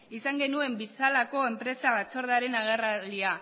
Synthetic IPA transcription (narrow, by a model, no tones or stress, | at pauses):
isaŋɡe̞nue̞mbisalako̞e̞mpɾe̞saβat͡so̞ɾð̞eaɾe̞naɣ̞e̞ralia